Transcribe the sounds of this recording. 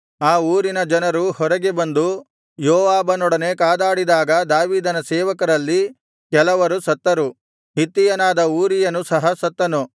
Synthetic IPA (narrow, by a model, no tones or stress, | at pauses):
aːuːɾinɐd͡ʒɐnɐɾuhɔɾɐɡebɐnd̪u | joːʋaːbɐnɔɽɐne̞kaːd̪aːɽid̪aːɡɐd̪aːʋiːd̪ɐnɐsɛːʋɐkɐɾɐlːi | kɛlɐʋɐɾusɐt̪ːɐɾu | ɦit̪ːijɐnaːd̪ɐuːɾijɐnusɐɦɐsɐt̪ːɐnu